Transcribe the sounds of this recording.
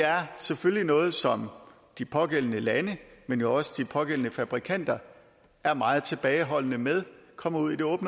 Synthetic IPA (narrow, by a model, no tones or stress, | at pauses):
eæɐseføllinɔ̽ːð̞̩ˠsɒ̽m | d̥ipʰɒ̽ɡ̥el̰ənəlænəmenjoɒ̽səd̥ipʰɒ̽ɡ̥el̰ənəfæb̥ʁikʰæn̰d̥ɐ | æɐmɑ̈ːð̞̩ˠt͡sʰe̝b̥ɛːɪɦɒ̽l̰nəmeð̞ˠkʰɒ̽m̰ɐuð̰ˠid̥e̝ɔ̽ːb̥nə